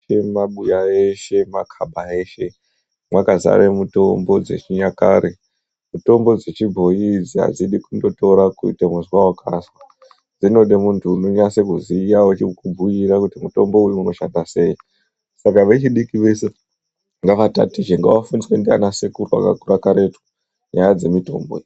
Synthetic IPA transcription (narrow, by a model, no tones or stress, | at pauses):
emaɓujaeʃe̞makʰabʱae̞ʃe̞ | mwakaza̰ʋe̞muto̞mbo̞d͡ze̞̰t͡ʃiɲaka̰ɾʔe | muto̞mbo̞d͡zet͡ʃibʱo̞jid͡zia̰d͡ziɗikundo̞to̞ɾakuḭtemuzwawakʰa̰swa | d͡zino̞ɗemuntʰuːnoɲase̞kuzijaot͡ʃikubʱujiɾakutimuto̞mbo̞ujeuno̞ʃandase̞ji | sakaʋe̞t͡ʃiɗikiʋe̞se̞ | ŋɡaʋata̰tit͡ʃeŋɡawafuniswendia̰nasekurua̰ka̰kurakaɾe̞twu̥ | ɲajad͡ze̞mito̞̰ːmbo̰